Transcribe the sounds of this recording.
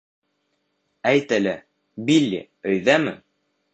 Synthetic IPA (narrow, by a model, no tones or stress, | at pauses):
æjt̪ælæ | bilːḭ | ɵ̆jðæmɘ̰